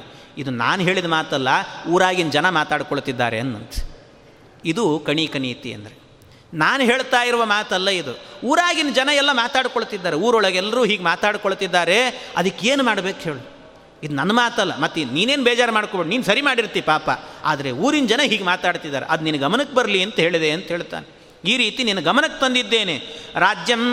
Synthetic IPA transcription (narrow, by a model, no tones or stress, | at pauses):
id̪una̰ːnɦe̞ːɭid̪maːt̪ɐlːɐuːɾaːɡind͡ʒɐnɐmaːt̪aːɽkoɭt̪id̪ːaːɾḛɐnːɐ̰nt̪ɐ̥ | id̪ukɐɳikɐɳiːt̪ḭɐ̰nd̪ɐɾe | naːnɦe̞ːɭt̪aːjiɾuʋɐmaːt̪ɐlːɐid̪uuːɾaːɡind͡ʒɐnɐɛlːɐmaːt̪aːɽkoɭt̪id̪ːaːɾeuːɾɔɭɐɡɛlːɐɾuːɦiːɡmaːt̪aːɽkoɭt̪id̪ːaːɾe̞ɐ̰d̪ɐkːeːnumaːɽbeːkɦeːɭu | id̪unɐnːɐmaːt̪ɐlːɐ̰mɐt̪ːiniːneːnbɛːd͡ʒaːɾmaːɽkoːbeɽniːnusɐɾimaːɽiɾt̪ipaːpɐ̰a̰ːd̪ɐɾe̞uːɾind͡ʒɐnɐɦiːɡemaːt̪aːɽt̪id̪ːaːɾḛʔɐd̪uninɐɡɐmɐnɐkːebɐɾliɐnt̪ɐɦe̞ːɭid̪eɐnt̪ɐɦeːɭt̪a̰ːne | iːɾiːt̪ininːɐɡɐmɐnɐkːt̪ɐnd̪id̪ːe̞ːneɾaːd͡ʒjɐm